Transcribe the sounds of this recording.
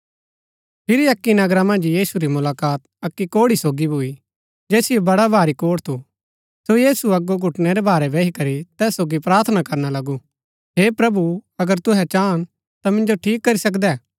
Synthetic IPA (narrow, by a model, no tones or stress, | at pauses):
pʰɪɾiɐkːinɐɡɾamɐ̃nd͡ʒjiːsuɾimʊlaːkaːt̪ | ɐkːikoːɽisoːɡibʱʊi | d͡ʒeːsijobɐɽabʱaːɾikoːɽt̪ʰu | sojiːsuɐɡːoɡʱʊʈnɛɾɛbaːɾɛbɛːɦikɐɾit̪ɛːsːoːɡipɾaːɾt̪ʰənakɐɾnalɐɡu | ɦepɾɐbuɐɡəɾt̪ʊɦɛt͡ʃaːn | t̪amɪ̃nd͡ʒoʈʰiːkːɐɾisɐkd̪ɛː